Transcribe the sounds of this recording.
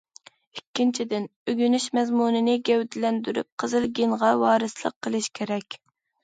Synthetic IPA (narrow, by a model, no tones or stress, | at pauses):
ikʲːint͡ʃʰid̪ɪnøɡʲynyʃmɛzmunɨnɪɡʲɛwd̪ɪlɛnd̪yɾy̰p̚qʰəzɨlˠɡʲinʁɑwɑːɾɨslˠə̰qʰːəlˠɨʃkʲʰeɾɛkʲ